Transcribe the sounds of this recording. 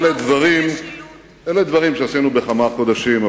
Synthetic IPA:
led̪vaʁim | eled̪vaʁimʃeasinubeχamako̞d̪aʃima

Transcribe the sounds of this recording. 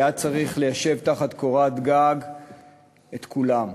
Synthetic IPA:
jat͡saʁiχle̞jaʃe̞vtaχat̪ko̞ʁat̪ɡaɡ | et̪kʰulam

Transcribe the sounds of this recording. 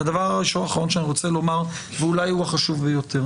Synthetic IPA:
ad̪avaʁaiʃonaχaʁo̞nʃeaniʁo̞t͡selo̞maʁ | veulajhuaχaʃuvbejot̪ʰe̞ʁ

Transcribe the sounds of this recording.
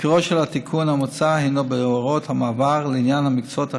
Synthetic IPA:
kiʁoʃelat̪ikʰunhamot͡sahenobeoaʁot̪hamaːvaʁleinjanhamikt͡sot̪a

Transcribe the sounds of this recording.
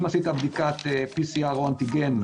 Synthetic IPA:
masit̪abd̪ikat̪episiaʁoant̪iɡem

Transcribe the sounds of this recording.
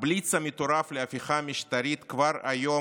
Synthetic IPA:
blit͡sɐmɪt̪oɾafleafiχamʲiʃt̪aɾit̪kvaɾajo̞

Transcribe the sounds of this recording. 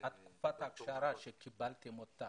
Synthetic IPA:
at̪ku̥pat̪akʃaɾaʃekːibalt̪emɔt̪ːa

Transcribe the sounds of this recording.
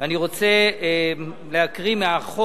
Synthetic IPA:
aniʁo̞t͡se | leakʁimeaχo

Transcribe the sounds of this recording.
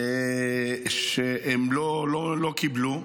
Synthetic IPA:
ʃeʔemlololokiblu

